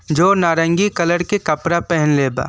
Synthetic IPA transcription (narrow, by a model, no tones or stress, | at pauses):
d͡ʒoːnaːɾə̃ŋɡikɐləɾkekɐpɾapɛɦɛnleːba̰ː